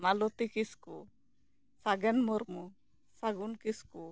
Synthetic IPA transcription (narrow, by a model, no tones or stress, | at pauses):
malɔt̪ikisku | saɡɛnmɔɾmu | saɡunkisku